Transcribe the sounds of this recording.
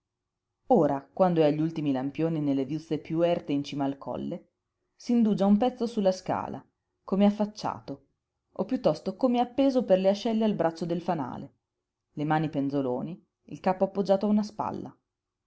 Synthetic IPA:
oːɾakwand̪oɛaʎːult̪imilampjoːninelːevjut̪sːepjuɛrt̪eint͡ʃiːmaːlkʰɔ̰lːe | siːnd̪uːd͡ʒaumpɛt̪sːosulːaska̰ːla̰ | komeafːat͡ʃːa̰ːt̪o | opːjut̪ːɔst̪okomeapːeːzoperleat͡ʃːɛlːealbɾat͡ʃːod̪elfana̰ːle | lemaːnipend̪zoloːni | ḭlkaːpoapːod͡ʒːaːt̪oaunaspa̰lːa̰

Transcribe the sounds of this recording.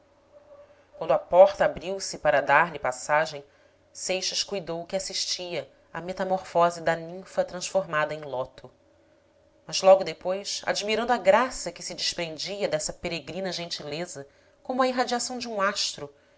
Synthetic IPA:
kwɐ̃nd̪ʊapɔχt̪ɐabɾiwsɪpaɾɐd̪aɾlɪpasaʒẽj̃ | sejʃɐʃkujd̪owkɪasiʃt͡ʃiɐ | ɐmet̪ɐmoɾfɔzid̪ɐnĩfɐt̪ɾɐ̃ʃfoɾmad̪ɐẽj̃lˠɔt̪ʊ | mɐzlɔɡʊd̪epojsa̰d͡ʒimiɾɐ̃nd̪ʊaɡɾasɐkɪsɪd͡ʒɪʃpɾẽnd͡ʒiɐd̪ɛsɐpeɾeɡɾĩnɐʒẽnt͡ʃilezɐ | kõmʊɐiɦad͡ʒiasɐ̃w̃d͡ʒɪũaʃt̪ɾʊ

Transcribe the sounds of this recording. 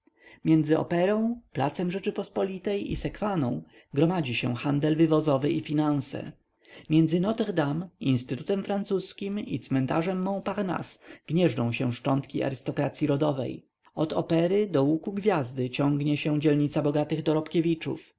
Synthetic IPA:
mʲjɛnd̪zɘɔ̰pɛɾɔ̃w̃pla̰t̪sɛmʐɛt͡ʂɘpɔspɔlʲit̪ɛjḭsɛkfanɔ̰̃w̃ | ɡɾɔmad͡ʑiɕɛ̰xand̪ɛlvɘvɔzɔvɘʔifʲinansɛ̰ | mʲjɛnd̪zɘnɔt̪ɛɣd̪aminst̪ɘt̪ut̪ɛmfɾant̪suskʲimḭt̪smɛnt̪aʐɛmːɔ̃w̃paɾna̰sɡ̥ɲɛʐɖɔ̃w̃ɕɛʂt͡ʂɔnt̪kʲia̰ɾɘst̪ɔkɾat̪sʲjiɾɔd̪ɔvɛ̰j | ɔd̪ɔpɛɾɘd̪ɔwukuɡvʲjazd̪ɘt͡ɕɔŋɡɲɛɕɛ̃d͡ʑɛlɲit̪sabɔɡat̪ɘɣd̪ɔɾɔpkʲevʲit͡ʂṵf

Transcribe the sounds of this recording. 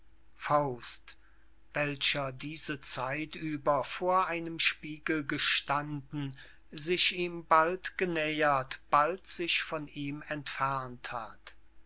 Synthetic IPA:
faʊst | vɛlʃɐdiːzət͡saɪtyːbɐfoːɐʔaɪnəmʃpiːɡl̩ɡəʃtandn̩ | zɪʃʔiːmbaltɡ̥ənɛːɐtb̥altz̥ɪʃfɔniːmɛntfɛɐntha̰t

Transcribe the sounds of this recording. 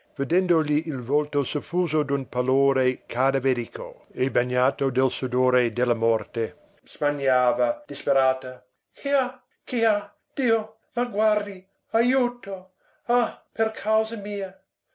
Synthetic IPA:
ved̪ɛnd̪oʎiːlvɔlt̪osufuːzod̪unpaloːɾekʰad̪aveɾikʰo̰ebaɲːaːt̪od̪elsud̪oːɾed̪elamɔrt̪e | z̥maɲaːvad̥̪ispeɾaːt̪a | kʰia | kia | d̪̥iːo | maɡward̪i | ajuːt̪o | aperkʰawzamiːa

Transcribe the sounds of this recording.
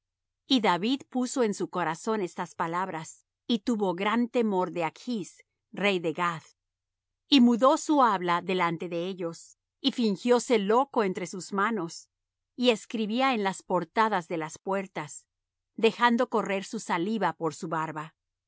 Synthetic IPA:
iðaβiðpuso̞e̞nsuko̞ɾaso̞ne̞st̪aspalaβɾas | it̪uβo̞ɣɾant̪e̞mo̞ɾðe̞akʰis | re̞jðeɣað | imuðo̞suaβlaðe̞lant̪e̞ðe̞eʎo̞s | ifiŋxjo̞se̞lo̞ko̞e̞nt̪ɾe̞suzmano̞s | ie̞skɾiβiaenlaspo̞ɾt̪aðazðe̞laspwe̞ɾt̪as | ðe̞xand̪o̞ko̞re̞ɾsusaliβapo̞ɾsuβaɾβa

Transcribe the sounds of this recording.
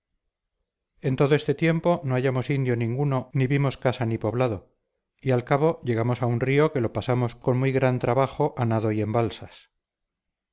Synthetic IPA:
e̞nt̪o̞ð̞oe̞st̪e̞t̪je̞mpo̞no̞aʝamo̞sind̪jo̞nĩŋɡuno̞niβimo̞skasanipo̞βlað̞o̞ | ialkaβo̞ʝe̞ɣ̞amo̞saunrio̞ke̞lo̞pasamo̞sko̞nmujɣɾant̪ɾaβaxo̞ʔanaðo̞ie̞mbalsas

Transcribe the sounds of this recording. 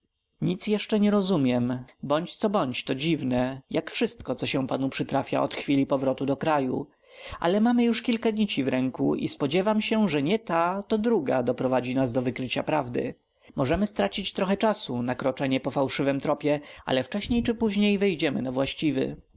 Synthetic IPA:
ɲit̪sjɛʂt͡ʂɛɲɛɾɔzumʲjɛmbɔɲt͡ɕt̪sɔbɔɲt͡ɕt̪ɔd͡ʑivnɛjakfʂɘst̪kɔt̪sɔɕɛ̃panupʂɘt̪ɾafʲja̰ɔ̰t̪xfʲilʲipɔvɾɔt̪ud̪ɔkɾajṵ | ʔa̰lɛmamɘjuʂkʲilkad̪ɲit͡ɕivɾɛŋkṵʔḭspɔd͡ʑɛvamɕɛʐɛɲɛt̪at̪ɔd̪ɾuɡa̰d̪ɔpɾɔvad͡ʑinazd̪ɔvɘkɾɘt͡ɕapɾavd̪ɘ̰ | mɔʐɛmɘst̪ɾat͡ɕit͡ɕt̪ɾɔxɛt͡ʂasunakɾɔt͡ʂɛɲɛpɔfawʂɘvɘmt̪ɾɔpʲjɛʔa̰lɛft͡ʂɛɕɲejt͡ʂɘpuʑɲejvɛjd͡ʑɛmɘnavwaɕt͡ɕivɘ̰

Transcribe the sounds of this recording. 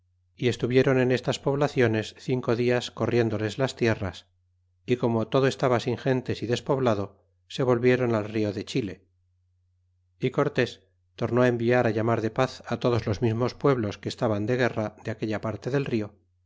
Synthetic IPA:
ie̞st̪uβje̞ɾo̞ne̞ne̞st̪aspo̞β̞laθjo̞ne̞sθiŋko̞ðiasko̞rje̞nd̪o̞le̞zlast̪je̞ras | iko̞mot̪o̞ðoe̞st̪aβasiŋxe̞nt̪e̞siðe̞spo̞βlaðo̞ | se̞βo̞lβje̞ɾo̞nalrio̞ðe̞t͡ʃile̞ | iko̞ɾt̪e̞s | t̪o̞ɾnoae̞mbiaɾaʎamaɾðe̞paθat̪o̞ðozlo̞zmizmo̞spwe̞βlo̞ske̞ːst̪aβand̪e̞ɣ̞e̞rad̪eake̞ʎapaɾt̪e̞ðe̞lrio̞

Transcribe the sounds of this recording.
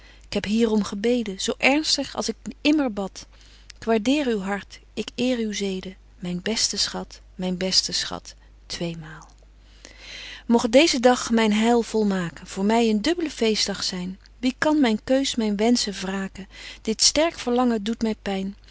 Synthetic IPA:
ɪkɦɛpɦiːrɔmχəbejdənz̥owʔɛɹnstəχɑ̰lˠsɪkɪməɹbɑt | ɪkʋaːɹdɪːɹywɦɑɹt | ɪkɪːɹywzejdə | mɛjnbɛstəsχɑt | mɛjnbɛstəsχɑ̰t | tʋejmaːlˠ | mɔχ̚dejzədɑχmɛjnɦɛjlˠv̥ɔlˠmaːkənv̥ʊːɹmɛjəndɵbələv̥ejsdɑχsɛjn | ʋikɑnmɛjnkøɥsmɛjnʋɛnsəvraːkəd̥ɪtstɛɹkfəɹlɑŋədutmɛjpɛjn

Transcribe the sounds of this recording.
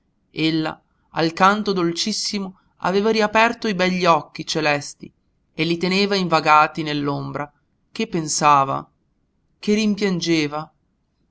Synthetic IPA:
elːa̰ | alkant̪od̪olt͡ʃisːimo | a̰veːvaɾiapɛrt̪oibɛʎːiɔkːit͡ʃelɛst̪i | elːit̪eneːvaiɱvaɡaːt̪inelːombɾa | kepːensaːva̰ | kerimpjand͡ʒeːva

